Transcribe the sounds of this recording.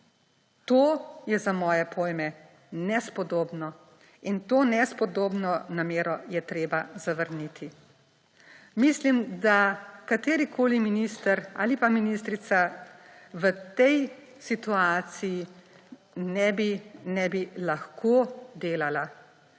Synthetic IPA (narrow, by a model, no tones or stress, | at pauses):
t̪oːjɛzamɔːjɛpʰoːjmɛ | nɛspɔd̪oːbnɔ | int̪oːnɛspɔd̪oːbnɔnameːɾɔjɛt̪ɾeːbazaʋəɾnit̪ʰi | mislimd̪akat̪eːɾikʰoːliminist̪əɾa̰ːlipaminist̪ɾit̪sa | ʋət̪ɛj | sit̪uaːt̪siji | nɛbinɛbilaxkʰoːd̪eːlala